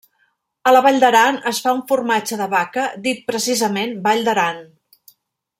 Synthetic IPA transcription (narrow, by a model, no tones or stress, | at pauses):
ələβaʎʲd̪əɾanəsfauɱfurmad͡ʒəðəβakəd̪it̪̚pɾəsizəmenbaʎʲd̪əɾan